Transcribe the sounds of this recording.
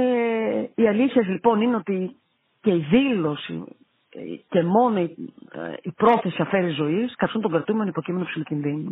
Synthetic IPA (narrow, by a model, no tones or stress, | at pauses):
eiɐliθçezlipo̞nineot̪i | ce̞iðilo̞sḭ | ce̞mo̞noḭ | ipɾo̞θe̞siɐfe̞ɾiizo̞iskɐt̪isunt̪oɡɾɐt̪umenoipocime̞nopsilocinðinu